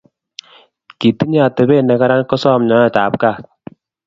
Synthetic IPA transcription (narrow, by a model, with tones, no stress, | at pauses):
ki˨ti˦ɲ˦a˨tɛ˨bɛ˦˨nɛ˨ka˦ɾa˦nkɔ˦sɔ˦˨mɲɔ˨˦a˦ta˨p̚kaː˦˨k̚